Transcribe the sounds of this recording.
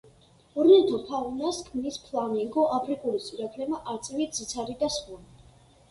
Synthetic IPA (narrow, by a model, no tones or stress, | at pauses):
ɔɾnɛt̪ʰɔt̪ʰavnaskʰmnispʰlˠamɛŋɡɔʔapʰɾikʼulisʼiɾakʰlɛmaʔaɾt̪sʼɛvit̪d̪zit̪sʰaɾid̪asχuni